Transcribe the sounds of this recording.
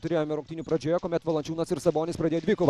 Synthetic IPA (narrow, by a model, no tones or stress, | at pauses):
t̪ʊɾʲeːjoːmʲɪɾʊŋkt̪ʲiːnʲːpɾɐd͡ʒʲoːjɛkoːmʲɛt̪ʋɐlˠɐnʲt͡ʃʲuːnɐsɪɾsɐboːnʲɪspɾɐd̪ʲeːjoːd̪ʲʋʲɪkoːʋ